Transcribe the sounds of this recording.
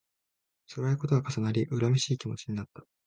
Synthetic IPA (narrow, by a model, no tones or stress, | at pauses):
soɾaiko̞t̪oɡakasanaɾʲiʔɯ̟ɾamʲeɕiːkʲimo̞t͡ɕiɲ̟inat̪ːḁ